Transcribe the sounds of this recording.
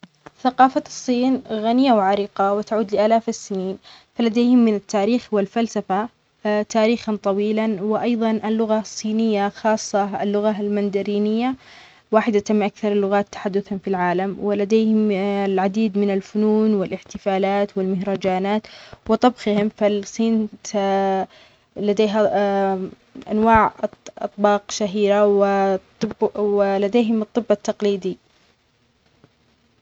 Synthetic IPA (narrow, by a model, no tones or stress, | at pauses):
θaqɑːfasˤːiːnɣanɪjawʕaɾiqɑwɪt̪aʕuːd̪lɪʔaːlaːfɪsːɪniːnfalad̪eːhɪmːɪnat̪ːaːɾiːxwɪlfalsafa | t̪aːɾiːxɑnt̪ˤɑwiːlanwɪʔɑjðˤɑnʔɪlːʊɣasˤːiːnɪjːaxɑːsˤːɑ̰lːʊɣalmand̪aɾiːnɪjːa | waːħɪd̪at̪amːʔakθɑɾˤɪlːʊɣaːt̪ːḁħad̪ːʊθanfilʕaːlamwɪlad̪eːhɪmlʕad̪iːd̪mɪnalfʊnuːnwɪlʔɪħt̪ɪfaːlaːt̪wɪlmɪhɾɑd͡ʒaːnaːt̪wɨt̪ˤɑbxɪhɪmfalsˤiːnt̪ | lad̪eːɦa | ʔa̰nwaːʕʔɑ̰t̪ˤbɑːqʃaɦiːɾawɪ | bwɪlad̪eːɦɪmɨt̪ˤːɨbːɑt̪ːɑqliːd̪i